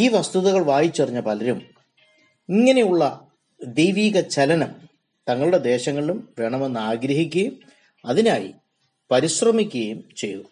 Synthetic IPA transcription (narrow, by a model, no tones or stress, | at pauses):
iːʋɐst̪uðɐɣɐɭʋaːjit͡ɕːuɐriɲːɐpɐlɐɾum | iŋːɐne̞juɭːɐ | d̪ejʋiːɣɐt͡ɕɐlɐnɐm | t̪ɐŋːɐɭuɽe̞d̪e̞ːɕɐŋːɐɭilumʋeɳɐmo̞nːɨaːɡɾɐɦik̬ʲːuɣɐjum | ɐðinaːjḭ | pɐɾiɕrɐmikʲːuɣɐjumt͡ɕe̞̰jːu